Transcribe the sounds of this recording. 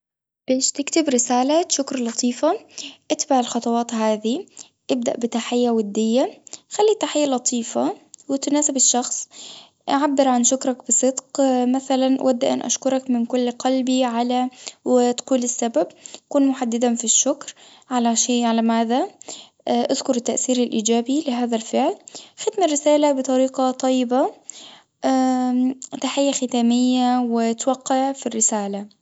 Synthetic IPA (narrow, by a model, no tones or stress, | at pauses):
b̥eːʃt̪ɪkt̪ɪbɾɪsaːlat̪ʃʊkɾˤlɑt̪ˤiːfaʔɪt̪baʕɪlxɑt̪ˤɑwɑːt̪ɦaːði | ʔɪb̚d̪a̰ʔbɪt̪aħɪjːawad̪ːɪjːaxalːit̪ːaħɪjːalɑt̪ˤʰiːfawɪt̪naːsɪbɪʃːɑxsˤ | ʔaʕabːɪɾʕanʃʊkɾˤɑkbɨsˤɨd̪qmaθalanʔwʔa̰d̪ːaʔa̰nʔa̰ʃkʊɾˤɑkmɪnkʊlːqɑlbiʕalawɪt̪quːlɪsːabab̚kuːnmʊħad̪ːɪd̪afiʃːʊkɾ | ʕalaʃeːʕalamaːða | ʔaðkʊɾɪt̪ːaʔθiːɾɪlʔiːd͡ʒaːbilɪɦaːðalfɪʕlxɪd̪mɪrːɪsaːlabɨt̪ˤɑɾiːqɑt̪ˤɑjːɪba | ʔa | t̪aħɪjːaxɪt̪aːmɪjːawɪt̪waqːɪʕfirːɪsaːla